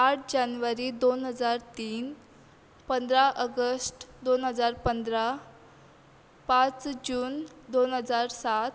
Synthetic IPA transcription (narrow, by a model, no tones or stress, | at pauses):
aʈ̚ʰd͡ʑanʋəɾiːd̪onɦəd͡zaɾt̪iːn | pənd̪ɾaʔəɡəsʈd̪onɦəd͡zaɾpənd̪ɾa | pãt͡sd͡ʑuːnd̪onɦəd͡zaɾsat̪